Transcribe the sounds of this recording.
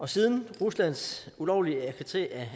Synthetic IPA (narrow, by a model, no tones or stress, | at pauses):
ɒ̽sið̞ˠn̩ʁuslæn̰sulɒʊliəækʰse̥t͡sʰe̝̰ːæ